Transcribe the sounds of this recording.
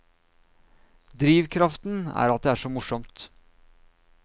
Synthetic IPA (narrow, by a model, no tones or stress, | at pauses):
d̪ɾiːʋkʰɾɑft̪n̩æ̰ːɾɑt̪̚d̪ɛæːʂoːmʊʂɔmt̪